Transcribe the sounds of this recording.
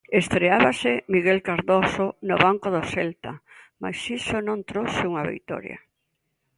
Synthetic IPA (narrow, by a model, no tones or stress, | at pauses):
est̪ɾeaβasɪmiɣelkaɾðosonoβaŋkoðoselt̪a | ma̰jsisonõnt̪ɾowseuŋaβḭjt̪ɔ̰ɾja̰